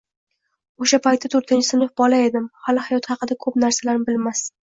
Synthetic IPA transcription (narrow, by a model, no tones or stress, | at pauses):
oʃapajt̪ːat̪ʰɵɾt̪ʰɪnt͡ʃʰɪ̥sɪnɨfbɒlae̞d̪ɪmhalɪhajɒt̪hɑqɨd̪akʰɵpnaɾsalaɾnɪbɪlmas